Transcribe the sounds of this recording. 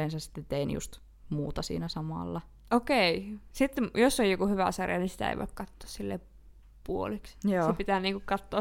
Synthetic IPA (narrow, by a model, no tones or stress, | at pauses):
eˑnsɑssi̥t̪ːet̪einjṵst̪ | muːt̪ɑsḭːnæsɑmɑ̰ˑlːɑ | okeisit̪ːjosːojjokuhyʋæ̰sɑrjɑnisi̥t̪æ̰ḛiʋo̰ˑekkɑt̪ːo̥ːssilːḛ | puoliksosepit̪æːniːŋkukkɑt̪ːoː